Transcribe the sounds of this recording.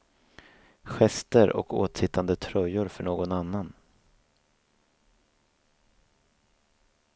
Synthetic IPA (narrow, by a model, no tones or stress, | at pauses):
ɧɛst̪əɾɔ̰koːt̪sɪt̪ʰːand̪ət̪ʰɾœjːʊɾfœɳoːɡɔnanːan